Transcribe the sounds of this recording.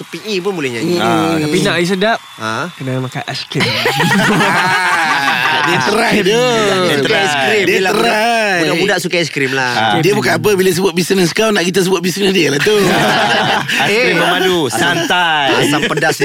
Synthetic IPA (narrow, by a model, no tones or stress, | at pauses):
t̪upiʔipʊnmulɛɲat̪apinaʔjis̬ədap̚akənamaka̰ʔaskim | diət̪əɾadukaskɾimdiəlaəɾaunamudaʔsukaɛskɾimladiəbukanap̬əbilas̬əbuat̪̚bisnəskawnaʔkit̪əsəbuat̪̚bisnəsdiəlaht̪u | eiəmadusant̪aat̪aŋpədas